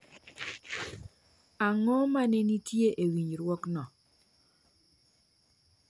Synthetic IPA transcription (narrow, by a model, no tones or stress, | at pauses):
aŋɔmanenitjeʔewiɲɾwɔknɔ